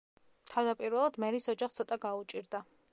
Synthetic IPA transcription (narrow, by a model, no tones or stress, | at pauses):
t̪ʰavd̪apʼiɾvɛlˠad̪mɛɾisɔd͡ʒaχt̪sʰɔt̪ʼaɡaut͡ʃʼiɾd̪a